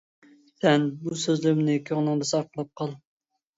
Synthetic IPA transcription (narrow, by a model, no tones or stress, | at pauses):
sɛnbusøzlɪɾɪmnɪkʲʰøŋnɨŋd̪ɛsɑɾqʰəlˠɑp̚qʰɑlˠ